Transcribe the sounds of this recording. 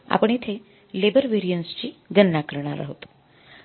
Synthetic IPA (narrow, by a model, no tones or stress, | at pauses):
a̰pəɳ̃et̪ʰe | lebəɾʋeɾijənst͡ɕiɡənːakəɾɳ̃a̰ɾə̰ɦot̪u̥